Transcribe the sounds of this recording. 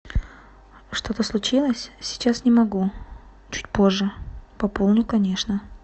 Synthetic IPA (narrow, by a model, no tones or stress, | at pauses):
ʂt̪o̞t̪əslˠʊt͡ɕilˠəsʲsʲɪ̥t͡ɕasnʲɪmɐɡu | t͡ɕu̥t̚ʲpo̞ʐːɨpɐpolˠnʲʊkɐnʲe̞ʂnə